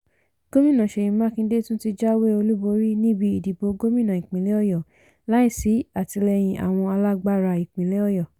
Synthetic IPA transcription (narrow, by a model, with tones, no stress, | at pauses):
ɡ̥o˦mĩ˦nã˨ʃe˨jĩ˨mã˦˨kĩ˧˦de˦tũ˦ti˧d͡ʒa˦we˦o˧lu˦bo˨˧ɾi˦nĩ˦bi˧i˨di˨bo˧ɡo˦mĩ˦nã˨i˨k͡pĩ˨le˨˦ɔ˦˨jɔ˨ | la˨˦i˦˨si˨˦a˦˨ti˧lɛ˧j̃ĩ˧ʔa̰˨w̃ɔ̃˧a˧la˦ɡ͡ba˦ɾa˧i˨k͡pĩ˨le˨˦ɔ˦˨jɔ˨